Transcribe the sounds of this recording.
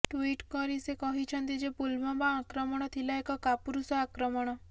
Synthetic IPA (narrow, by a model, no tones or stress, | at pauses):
ʈuiʈkɔɾisekɔɦit͡ʃʰɔnt̪id͡ʒepulmɔmãakɾɔmɔɽ̃ɔt̪ʰilaekɔkapuɾusɔakɾɔmɔɽ̃ɔ